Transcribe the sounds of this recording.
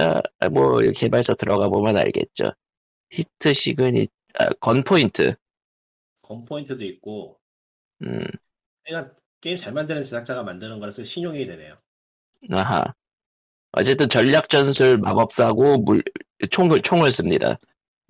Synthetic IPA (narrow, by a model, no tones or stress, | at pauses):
a̰mwʌiɾ̰kʰiɦebaɭs͈ʌtɯɾʔʌɡabomjʌna̰ɭɡe̞̰t̚t͡ɕ͈o̰ | çitʰɯɕʰiɡɯnḭ | a̰kʌnpʰointʰɯ̰ | kʌnpʰointʰɯdoik̚k͈o | ɯm | eɡa | k͈e̞imt͡ɕaɭmandɯnɯnt͡ɕisʰak̚t͡ɕ͈aɡamandɯnɯnɡʌɾasʰʌɕʰiɲoŋidwene̞jo | aɦa̰ | ʌ̰t͡ɕ͈e̞t͈ɯnt͡ɕʌʎːak̚t͡ɕ͈ʌnsʰuɭmabʌp̚s͈aɡomut͡ɕʰoŋɯɭt͡ɕʰoŋɯɭs͈ɯmɲida̰